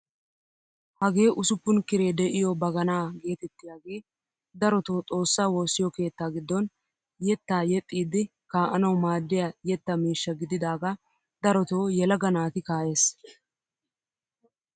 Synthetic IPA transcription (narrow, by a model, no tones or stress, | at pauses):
hɐɡe̞ːʔʊsʊpːʊnkɪɾeːd̪ɛʔɪjoːbɐɡɐnaːɡe̞ːt̪ɛt̪ːɪjaːɡe̞ː | d̪ɐɾɔt̪oːt͡sʼo̞ːsːaːwo̞ːsːɪjɔke̞ːt̪ːaːɡɪd̪ːɔn | jɛt̪ːaːjɛt̪ʼːiːd̪ɪ | kaːʔɐnɐwmaːd̪ːɪjɐjɛt̪ːɐmiːʃːɐɡɪd̪ɪd̪aːɡa | d̪ɐɾɔt̪oːjɛlɐɡɐnaːt̪ɪkaːje̞ːs